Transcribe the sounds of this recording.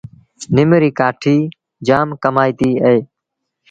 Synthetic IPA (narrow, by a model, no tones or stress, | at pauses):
nɪmɾiːkaːʈʰiː | d͡ʒaːmkəmaːiːt̪iːəeː